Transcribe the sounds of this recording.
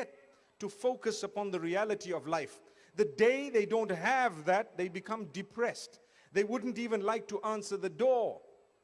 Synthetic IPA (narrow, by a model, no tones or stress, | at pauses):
ɛtː | ufoʊkəsəpɔ̃nðəɹiælətiɔvlaɪf | ðədeɪðeɪdõʊ̃ntɦævðæt̚ðeɪbɨkʰʌ̃mdɨpʰɹɛst | ðeɪwʊdⁿn̩tivə̃nlaɪk̚tuʔãnsə˞ðədɔ